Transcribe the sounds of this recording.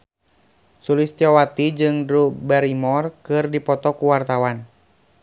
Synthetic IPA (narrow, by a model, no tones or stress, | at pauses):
sulist̪iɔwat̪id͡ʒɨŋdɾubɛɾimɔrkɨrdipɔt̪ɔkuwart̪awan